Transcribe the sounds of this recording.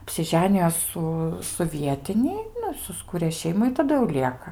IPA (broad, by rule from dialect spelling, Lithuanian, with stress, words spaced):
ɐpʲsʲɪˈʒʲæːnʲɪjoː ˈsʊ sʊ ˈʋʲiɛtʲɪnʲɪ ˈnʊ ɪ sʊsˈkuːrʲeː ˈʃʲɛɪmʊ ɪ tɐˈdʊ jɛʊ ˈlʲiɛkɐ